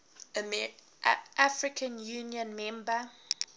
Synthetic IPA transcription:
əm | ʔafɹɪkʰə̃njuːnjə̃nmɛ̃mbə

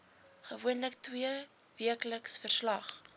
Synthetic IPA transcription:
χəvuənləktwiə | viəkləksfərslɐχ

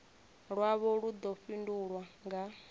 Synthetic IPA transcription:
ɺwaβɔɺud̪ɔɸinduɺwaŋɡa

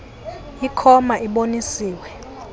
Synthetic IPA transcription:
ikʰɔmaʔiɓonisiːwɛ

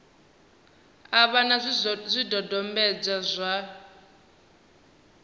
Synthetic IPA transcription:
aβanazʷidɔdɔmbɛd͡zazʷa

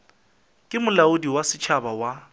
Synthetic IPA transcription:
kʼɪmʊlaʊdiwasɪt͡ʃʰabawa

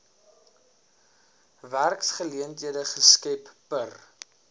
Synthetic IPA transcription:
værksχəliəntɦiədəχəskɛpːər

